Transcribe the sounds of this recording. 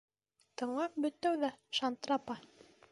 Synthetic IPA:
t̪ɤ̆ɴlˠɑp̚bɵ̆t̪ːæwðæʃant̪rapɑ

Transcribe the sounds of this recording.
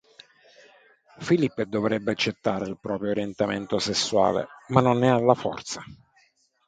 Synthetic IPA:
filipːd̪ovɾɛbːeat͡ʃːet̪ːaːɾeilpɾɔːpɾjoːɾjent̪amḛnt̪osesːwa̰ːlḛmanːonːɛalːafɔ̰rt̪sa

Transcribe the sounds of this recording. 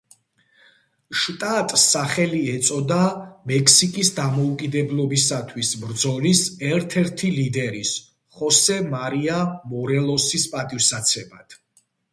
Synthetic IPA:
ʃt̪ʼat̪ʼsaχɛliɛt̪sʼɔd̪amɛkʰsikʼisd̪amɔukʼid̪ɛblˠɔbisat̪ʰwisbɾd̪zɔlisɛɾt̪ʰɛɾt̪ʰilid̪ɛɾis | χɔsɛmaɾiamɔɾɛlˠɔsispʼat̪ʼifsat̪sʰɛbad̪̥ʰ

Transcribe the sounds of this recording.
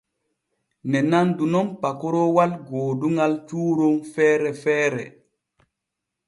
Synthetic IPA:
nɛnandunɔmpakɔɾɔwalɡoːduŋalt͡ʃuːɾoŋfɛːɾɛfɛːɾɛ̰

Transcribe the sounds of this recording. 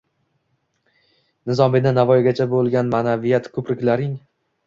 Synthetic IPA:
nɪzɒmenɪnavɒjɡʲat͡ʃʰabolˠɡʲanmanavijat̪kʲʰɵpɾɪkʲlaɾɪŋ

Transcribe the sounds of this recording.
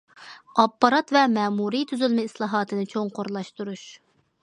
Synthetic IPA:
ɑpːɑɾɑt̪vɛmɛːmuɾit̪ʰyzylmɛislˠɑːɦɑːt̪ʰɨnɨt͡ʃʰoŋqoɾlˠɑʃt̪uɾuʃ

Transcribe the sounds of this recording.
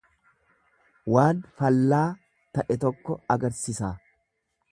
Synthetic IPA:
waːnfɐlːaː | t̪ɐʔɛt̪ɔkːɔɐɡɐɾsɪsaː

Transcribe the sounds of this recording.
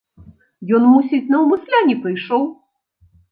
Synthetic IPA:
jɔnmusʲit͡sʲnɐwmɨslʲanʲipɨjʂɔw

